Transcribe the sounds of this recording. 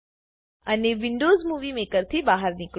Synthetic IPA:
əneʋɪɳɖoːzmuʋimekəɾt̪ʰibaɦəɾnik

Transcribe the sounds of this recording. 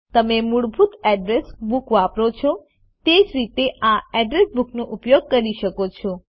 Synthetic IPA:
t̪əmemuɽbʱut̪ɛɖɾesbukʋapɾot͡ʃʰɔ | t̪ed͡ʒɾit̪eʔãɛɖɾesbuknoʔupjoɡ̚kəɾiʃəkot͡ʃʰɔ

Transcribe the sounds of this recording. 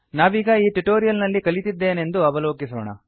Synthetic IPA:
naːʋiːɡɐiːʈuʈoːɾijɐlnɐlːikɐɭit̪id̪ːeːne̞nd̪uɐʋɐlo̞ːkisɐɐɳɐ̰

